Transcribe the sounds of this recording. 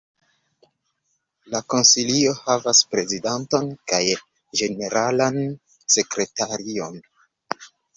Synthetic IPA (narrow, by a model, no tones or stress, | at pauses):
lako̞nsilio̞havaspɾe̞zidanto̞nkaj | d͡ʒe̞ne̞ɾalan | se̞kɾe̞taɾio̞n